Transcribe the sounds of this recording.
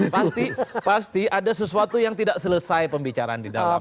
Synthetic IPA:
past̪ipast̪iadasəsuat̪ujaŋt̪idaʔsələsajpəmbit͡ʃaɾaːndida̰la

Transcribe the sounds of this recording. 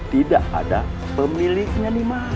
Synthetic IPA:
t̪idaʔa̰da | pəmilikɲanima

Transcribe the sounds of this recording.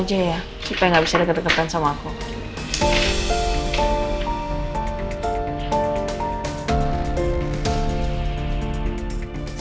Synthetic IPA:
d͡ʒaja | supajaŋɡabisadəkədəkat̪ansamaːku

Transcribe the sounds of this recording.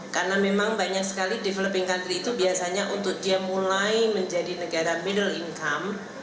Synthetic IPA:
karnamemaŋbaɲak̚sə̥kalidifələpɪŋkant̪ɾiːt̪ubiasaɲaʔunt̪ʊk̚diamulajməɲd͡ʒadinəɡaɾamidəliŋkam

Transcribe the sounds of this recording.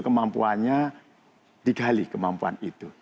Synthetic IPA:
kəmampṵanɲa | d̥iɡalikəmampua̰nit̪u

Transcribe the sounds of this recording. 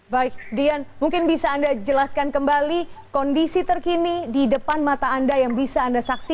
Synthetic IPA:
baɪk̚dianmuŋkɪnbisaːndad͡ʒəlaskankəmbalikɔndisit̪ərkinididəpanmat̪aːndajaŋbisaːndasaksi

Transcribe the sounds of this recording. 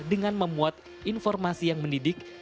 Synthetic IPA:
dəŋanməmuat̪ | infɔrmasijaŋməndidɪk

